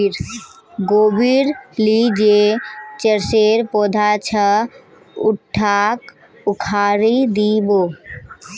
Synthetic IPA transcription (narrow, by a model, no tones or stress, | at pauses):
ɾ | ɡobiɾlid͡ʒet͡ʃəɾseɾpɔd̪ʱat͡ʃʰə | uʈʰːak | ukʰaɾid̪ibo